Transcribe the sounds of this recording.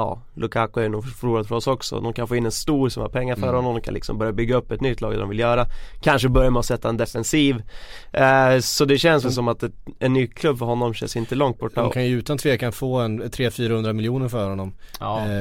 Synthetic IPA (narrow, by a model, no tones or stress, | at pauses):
ɑ̰ː | lʔɵkʰakʊæɾjnuːɡfœɾuːɾad̪fœɾɔsɔksɔ̰d̪ɔnkʰanfoːɪnːɛnst̪uːɾsɔmha̰ɾpʰɛŋːaɾfœɾhɔnːɔmd̪ɔmkanɪksɔ̰mbœɾjabʏɡːaɵpːɛt̪nʏt̪ʰːlɑːɡd̪̰d̪ɔ̰mvɪljœːɾakʰanʂəbœɾjamɛɔsɛt̪ːaɛnd̪ɛfɛnsiːv | sɔd̪ɛɕɛnsvɛlsɔmat̪ɛɛnːyːkʰlɵbːfœɾɦɔnːɔmɕɛ̰nsɪnt̪əlɔŋt̪̚bɔʈːdːakʰanjəʉ̟ːt̪ant̪ʰveːkʰanfoːɛnt̪ʰɾeːfyːɾahɵnd̪ɾamɪljuːnəɾfœɾhɔnːɔm